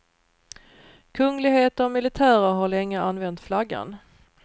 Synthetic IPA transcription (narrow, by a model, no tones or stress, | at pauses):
kʰɵŋːlɪɡheːt̪əɾɔmɪlɪt̪ʰæːɾəɾɦaɭɛŋːəanvɛnt̪flaɡːa̰n